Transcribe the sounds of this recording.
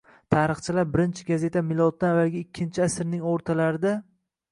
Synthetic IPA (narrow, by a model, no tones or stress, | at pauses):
t̪ʰaːɾɨχt͡ʃʰɪlaɾbɪɾɪnt͡ʃʰɪɡaze̞t̪ʰamɪlˠɒt̪̚ːanavːalˠɡʲaɪkʲʰːɪnt͡ʃʰɪasɪɾnɪŋoɾt̪ʰalaɾɪd̪a